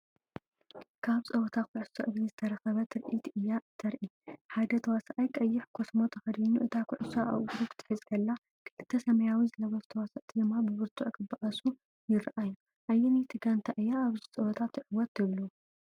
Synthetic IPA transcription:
kʰaβt͡sʼɐwɔt̪ʰakʰʊʕusoʔɨβizɨt̪ʰɐɾɐxɐβɐt̪ʰɨɾʔit̪ʰʔɨjːaɨt̪ʰɐɾʔiħad̪ɐt̪ʰɐwasaʔɐjkʼɐjːɪħkʰosmo̞t̪ʰɐxɐd̪inuʔɨt̪ʰakʰʊʕʊsaʔa̰ʔɡɾukʰɨ̥t̪ʰɨ̥ħɨzkʰɐlːa | kʰɨʔɨt̪ʰːɐsɐmɐjawizɨlɐβɐst̪ʰɐwasɐʔt̪ʰid̪ɨmːabɨβɨɾt̪ʰʼuʕkʰɨbaʔasu | jɪɾʔaju | ʔajːɛnit̪ʰɨɡant̪ʰaʔɨjːaːβzit͡sʼɐwɐt̪ʰat̪ʰːʕɨwɔt̪ːɨβlu

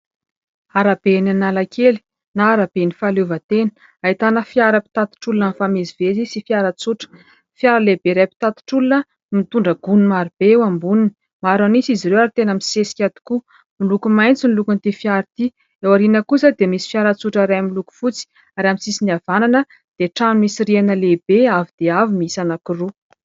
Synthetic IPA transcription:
aɾab̥enanalakʰeli̥ | naaɾab̥enifalevət̪enə̥ | ait̪anəfiaɾəpi̥t̪at̪i̥ʈ͡ʂulunənfamezivezisifjaɾət͡suʈ͡ʂə̥ | fjaɾəlebeɾajpi̥t̪at̪i̥ʈ͡ʂulunə | mit̪uɳɖ͡ʐəɡ̥unimaɾib̥ewambunini̥ | maɾanisiziɾewaɾit̪enəmisesi̥kʲad̪i̥ku | milukumajnt͡sinlukunt̪ifjaɾit̪i | ewaɾinəkusad̪emisi̥fjaɾət͡suʈ͡ʂaɾajamiluku̥fut͡si̥ | aɾamit͡sisiniav̥ananə | d̪̥eʈ͡ʂanimisirianəlebeavid̪̥eavimiisanakuru

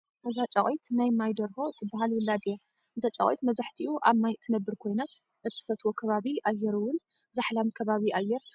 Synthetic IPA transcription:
ʔɨzat͡ʃʼɐkʼojt̪najmajd̪ɐɾho̞ɨt̪ʰːɨbaɦalwɨlːad̪ija | ʔɨzat͡ʃʼɐ̰kʼojt̪mɐzaħt̪ʰiʔuʔamːajɨt̪ʰːɨnɐbːɨɾkʰo̞jnɐ | ʔɨt̪ʰːɨ̥fɐt̪ʰwokʰɐβaβiʔajːɛɾuwʊn | zaħlamkʰɐβaβiʔajːɛɾ

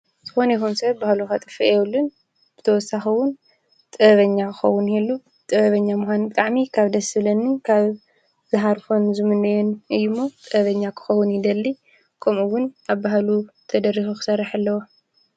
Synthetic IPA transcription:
z̥ɨxo̞nɐjxunsɐβbahluxat̪ʼɨfiewulːɨn | b̥ɨt̪ʰɐwɔsːaxɐwʊn | t̪ʼɨɐβɐɲːakʰɨxɐwːʊnhelːu | t̪ʼɨβɐβɐɲːamuxʷanbɨt̪ʼaʕmikʰaβd̪ɐsɨlɐnːɨkʰaβ | zɨɦaɾfonzɨmɨnːɐjɛnɨjːumːot̪ʼɨɐβɐɲːakʰɨ̥xɐwʊnjɪd̪ɐlːi | kʰɐmʔuwʊnaβbaɦlut̪ʰɐd̪ɐɾːixuxɨ̥sɐraħalːɐwo

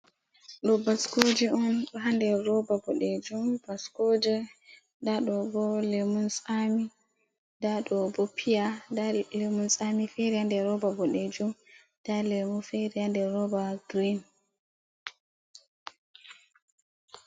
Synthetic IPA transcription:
ɗɔbaskod͡ʒiɔnɗɔɦandɛɾɔbabɔɗɛd͡ʒumb̥askod͡ʒɛ | daɗɔbɔlemunsami | daɗɔbɔpʰijadalemunsamifeɾihandɛɾɔbabɔɗed͡ʒum | d̥alemufeɾihandɛɾɔbaɡɾin

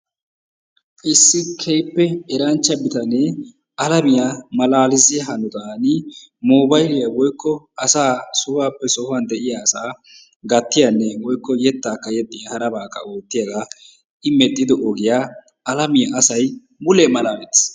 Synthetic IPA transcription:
ʔɪsːɪkʰɛjpːɛɛɾɐnt͡ʃːɐbɪt̪ɐnɛ | ʔɐlɐmɪjamɐlaːlɪzɪjɐɦɐnɔt̪aːnɪ | moːbɐjlɪjawɔjkːɔ | ɐsaːsʊbaːpːɛsɔhʊɐnd̪ɛʔɪjaːsaː | ɡɐt̪ːɪjɐnːɛwɔjkːɔjɛt̪ːaːkːɐjɛt̪ʼːɪjɐhɐɾɐbaːkːɐ̰oːt̪ːɪjɐɡa | ʔɪmɛt̪ʼːɪd̪ɔʔɔɡɪjaː | ɐlɐmɪjɐʔɐsɐj | mʊlɛmɐlaːmɛt̪ːɪ̥s

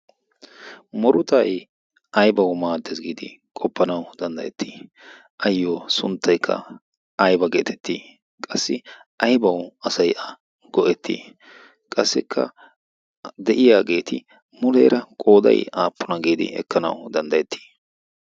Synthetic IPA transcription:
mɔɾʊt̪aːj | ʔɐjbɐwmaːd̪ːɛsɡiːd̪ɪ̰ | kʼɔpːɐnɐwd̪̥ɐnd̪ɐjɛt̪ːiː | ʔɐjːoːsʊnt̪ːɐjkʰːɐ̰ | ɐjbɐɡe̞ːt̪ʰɛ̥t̪ːiː | kʼɐsːɪ | ʔɐjbɐwɐsɐjʔɐ | ɡ̥ɔʔɛt̪ʰːḭː | kʼɐsːɪkʰːɐ̰ | d̪ɛʔɪjaːɡe̞ːt̪ɪ | mʊlɛ̰jɾɐkʼo̞ːd̪ɐ̰jaːpːʊnɐɡiːd̪ɪ̰ɛ̰kʰːɐnɐ̰wd̪ɐnd̪ɐjɛt̪ːi̥ː

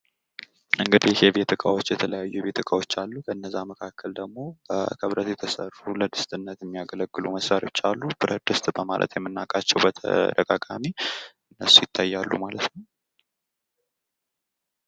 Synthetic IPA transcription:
ʔɨŋɡɨd̪ihɛβet̪ʰəkʼa̰wo̞t͡ʃːjɛt̪ʰələjajːubet̪ʰɨkʼawo̞t͡ʃːalːukʰəɨnːəzːaməkʰakːəld̪əɡmo̞bəkʰəβɾət̪jɛt̪ʰəsərːuləd̪ɨst̪ʼɨnːət̪jɛmːijaɡələɡːɨluməsɾaɾot͡ʃːalːub̥ɨɾʔəd̪ɨst̪ʼbəma̰lʔə̰t̪jɛmːɨnːakʼat͡ʃːɛwbət̪ʰə̰ɾəkʼakʼamiʔɨnːəsːujɪt̪ʰːajːalːumalət̪nəw

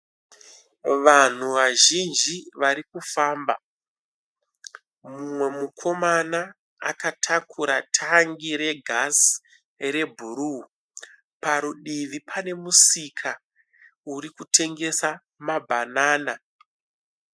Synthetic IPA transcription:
ʋan̤uʋaʒind͡ʒiʋaɾikufaːmba | mumwe̞mukʰo̞manaː | katʰakʰuɾatʰaŋɡiɾe̞ɡʱas | re̞bʱuɾu | paɾuɗiʋipʰane̞musikʰa | uɾikute̞ŋɡe̞sa | mabʱanaːna

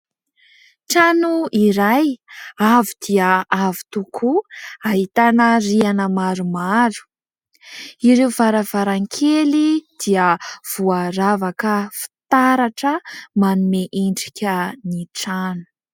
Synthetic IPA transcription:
ʈ͡ʂanuiɾajavid̪iəavi̥t̪ukʰuaɦit̪anərianəmaɾumalu̥ | iɾeuvaɾəv̥aɾaŋkʰelid̪̥iəv̥uaɾavakəfi̥t̪aɾaʈ͡ʂəmanumeʔiɳɖ͡ʐikʲəniʈ͡ʂanu̥

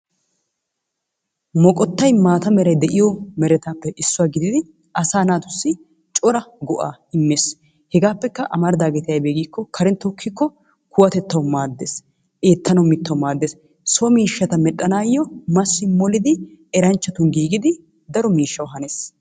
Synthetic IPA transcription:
mɔkʼɔt̪ːɐjmaːt̪ɐmɛɾɐjd̪ɛʔɪjɔmɛɾɛt̪aːpːɛʔɪsːʊwaːɡɪd̪ɪd̪ɪ | ɐsaːnaːt̪ʊsːɪ | t͡ʃʼɔɾɐɡɔʔa̰ːɪmːeːs | hɛɡaːpːɛkːɐʔɐmɐɾd̪aːɡɛt̪ɪjɐjbeːɡiːkːɔkʰɐɾɛnt̪ːɔkʰːɪkːɔ | kʊwɐt̪ɛt̪ːɐwmaːd̪ːeːs | ʔe̞ːt̪ʰːɐnɐmːɪt̪ːɐwmaːd̪ːes | sɔmiːʃːɐt̪ɐmɛɗʼːɐnaːjːɔmɐsːɪmɔlɪd̪ɪɛɾɐnt͡ʃːɐt̪ʊnɡiːɡɪd̪ɪ | d̪ɐɾɔmiːʃːɐwɦɐneːs

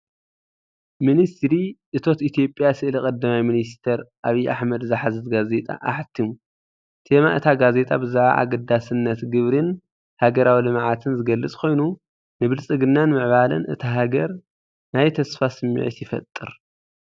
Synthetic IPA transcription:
minist̪ɾiʔɨt̪ʰo̞t̪it̪ʰijo̞pʼjasɨʔlikʼɐd̪ːɐmajminist̪ʰɐɾʔaβiʔaħmɐd̪zaħazɨzɡaze̞t̪ʼa̰ʔaħt̪ʰːimu | t̪ʰemaʔɨt̪ʰaɡaze̞t̪ʼabɨzaʕa̰ʔa̰ɡɐd̪asɨnːɐt̪ɡɨβɾɨn | haɡɐɾawilɨmʕat̪ʰɨnzɨɡɐlːɨt͡sʼkʰo̞jnu | nɨβɨlt͡sʼɨɡɨnːanmɨʕβalɐ̰nʔɨ̰t̪ʰaɦaɡɐɾ | najt̪ʰɐsfasɨmːḭʕḭt̪jɪfɐ̰t̪ʼːɨ̰ɾ

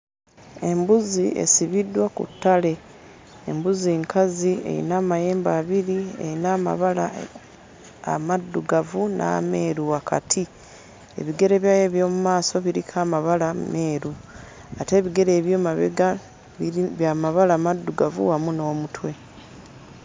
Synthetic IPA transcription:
e̞mbuzie̞̰siβidːwakṵtːale̞ː | mbuziŋkʰaziḛɾḭnaːmaje̞ːmbaːβiɾiḛinaːma̰βala | a̰madːuɡavunʔa̰ːme̞ːɾuwakʰa̰tʰi | e̞̰βiɡe̞ɾe̞βjaːjeβjo̞ːmumaːso̞βiɾikʰaːmaβalame̞ːɾu | ate̞ːβiɡe̞ɾe̞ːβjo̞ːmaβḛɡa | βjamaβalaːmadːuɡavṵwamuno̞ːmutwe̞

